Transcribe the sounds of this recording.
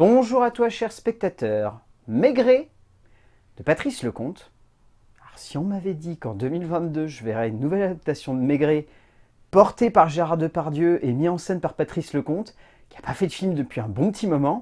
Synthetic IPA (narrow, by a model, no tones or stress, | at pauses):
b̥ɔ̃ʒuʁat̪waʃɛʁspɛk̚t̪at̪œːʁ | meɡʁe | d̪̥əpat̪χisləkɔ̃t̪ | kaʁsiɔ̃mavɛd̪ikɑ̃d̪əmilvɛ̃t̪d̪øʒəvɛʁɛynːuvɛlad̪ap̚t̪asjɔ̃d̪əmeɡʁe | pɔʁt̪epaʁʒeʁaʁd̪əpaʁd̪jøʔemiɑ̃sɛnpaʁpat̪χisləkɔ̃t̪ | kʲi̥apafɛd̪əfilmd̪əpɥiɛ̃bɔ̃pət̪imɔmɑ̃